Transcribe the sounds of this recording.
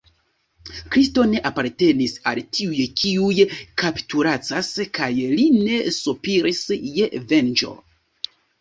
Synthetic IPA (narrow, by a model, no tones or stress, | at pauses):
kɾisto̞ne̞ʔapaɾte̞nisa̰ltʰiujkʰiujkaptuɾat͡saskajlinne̞supiɾisjeve̞nd͡ʒo̞̰